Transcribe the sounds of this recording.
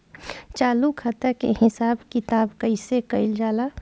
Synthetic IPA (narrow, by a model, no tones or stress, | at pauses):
t͡ʃaːlukʰat̪əɾkḛɦɪsaːbkɪt̪aːbkəɪsekəɪld͡ʒaːla